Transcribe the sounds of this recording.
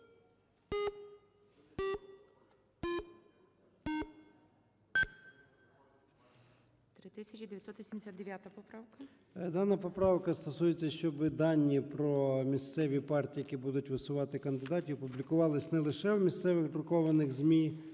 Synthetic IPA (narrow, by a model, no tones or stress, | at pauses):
t̪ɾɪt̪ɪsʲɐt͡ʃid̪ejɐt̪sɔt̪ʋʲisʲimd̪esʲat̪d̪d̪eʋʲjat̪ɐpɔpɾawkɐ | d̪ɑnɐpɔpɾɑwkɐst̪ɔsujet͡sʲːɐʃt͡ʃɔbɪd̪ɑnʲːipɾɔmʲist̪sɛʋʲipɑrtʲiːjɐkʲibud̪ʊtʲʋɪsʊʋɑt̪ɪkɐnd̪ɪd̪ɑtʲiɔpublʲikʊʋɑlˠɪsʲnɛlˠɪʃɛwmʲist̪sɛʋɪxd̪ɾʊkɔʋɐnɪɣzʲmʲi